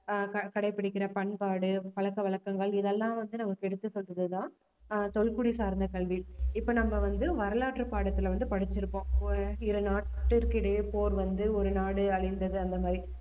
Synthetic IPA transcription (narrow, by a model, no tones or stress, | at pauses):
kɐkɐɽɐɪpːɪɽɪkːɪɾɐpɐɳpaːɽɯpɐɭɐkːɐʋɐɭɐkːɐŋɡɐɭɪðɛlːãːʋɐnd̪ɯnɐmɐkːɛɽɯt̪ːɯsɔlrɐðɯt̪ãː | t̪ɔɭkʊɽisaːɾnd̪ɐkɐɭʋɪɪpːoːnɐmːɐʋɐnd̪ɯʋɐɾɐlaːʈrɯpaːɽɐt̪ːɪlʋɐnd̪ɯpɐɽɪt͡ʃːɪɾɯpːõːɪɾɯnaːʈːɯɾkɪɽepoːɾʋɐnd̪ɯɔɾɯnaːɽɯɐɭɪnd̪ɐðɯɐnd̪ɐmaːd̪ɾi